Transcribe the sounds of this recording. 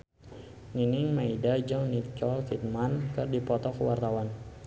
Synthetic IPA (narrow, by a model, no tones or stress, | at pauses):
ŋinɪŋmaidad͡ʒɔŋnit͡ʃɔlfit̪̚mankɨrdipɔt̪ɔkəwart̪awan